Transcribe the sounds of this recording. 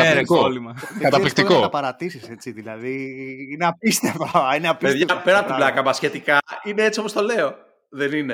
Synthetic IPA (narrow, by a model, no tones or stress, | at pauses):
eɾeoolimɐkɐt̪ɐlikt̪ikoɐpɐɾɐt̪isise̞t͡siðilɐðiineɐpist̪eft̪oɐineɐpieðʝɐpeɾɐp̪lɐkɐmɐsçe̞t̪ikɐineet͡sio̞po̞st̪ole̞o | ðenine